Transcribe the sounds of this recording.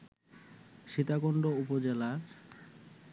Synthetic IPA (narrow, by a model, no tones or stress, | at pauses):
ʃit̪akoɳɖoupod͡ʑelaɾ